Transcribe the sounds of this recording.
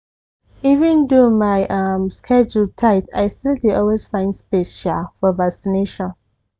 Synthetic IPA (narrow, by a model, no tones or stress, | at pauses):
ivə̃ndumajʔamskʰɛd͡ʒultʰaɪtajstildeɔlwesfãɪ̃ndspesʃɛfɔvaksineʃɔ̃n